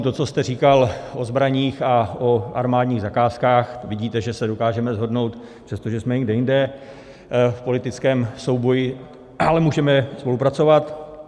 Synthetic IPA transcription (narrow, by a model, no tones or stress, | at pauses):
t̪o̞t͡so̞st̪ɛr̝iːkalʔozbɾaɲiːxaʔoʔa̰ɾmaːdɲiːɣzakaːskaːxvɪɟiːt̪ɛʒɛsɛdo̞kaːʒɛmɛzɦo̞dno̞wt̪pr̥ɛst̪oʒɛsmɛɡdɛjɪndɛ | fpo̞lɪt̪ɪt͡skɛːmso̞wbo̞jɪ | ʔalɛmuːʒɛmɛspo̞lupɾat͡so̞vat̪